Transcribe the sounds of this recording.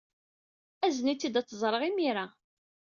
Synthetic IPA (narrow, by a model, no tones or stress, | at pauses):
æznit͡sːid̪æt͡sːəzˤɾˤəʁimiɾa